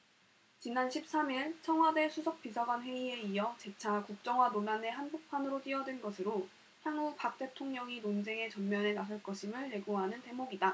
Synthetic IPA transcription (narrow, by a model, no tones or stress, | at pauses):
t͡ɕinanɕʰip̚s͈amiɭt͡ɕʰʌŋɦwade̞sʰusʰʌk̚p͈isʰaɡwanɸwe̞ie̞iʌt͡ɕe̞t͡ɕʰakuk̚t͡ɕ͈ʌŋwanoɭːane̞ɦanbok̚pʰanɯɾot͈iʌdwenɡʌsʰɯɾo | çjaŋupak̚t͈e̞tʰoŋɲʌŋinond͡ʑe̞ŋe̞t͡ɕʌnmjʌne̞nasʰʌɭk͈ʌɕʰimɯɭːe̞ɡoɦanɯnte̞moɡida